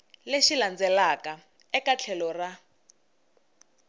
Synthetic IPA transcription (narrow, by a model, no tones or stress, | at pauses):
leʃiland͡zɛlaka | ɛkat͡ɬʰɛlɔra